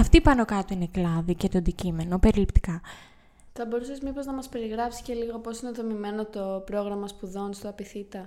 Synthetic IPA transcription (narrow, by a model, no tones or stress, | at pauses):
ɐft̪ipɐno̞kɐt̪oineklɐðicet̪o̞ɐnd̪icime̞no̞pe̞ɾilipt̪i̥kɐ | θɐbo̞ɾusezmipo̞znɐmɐspe̞ɾiɣɾɐpsi̥sce̞liɣo̞po̞sineðo̞mime̞no̞t̪o̞pɾo̞ɣɾɐmɐspuðo̞nst̪oɐpiθit̪ɐ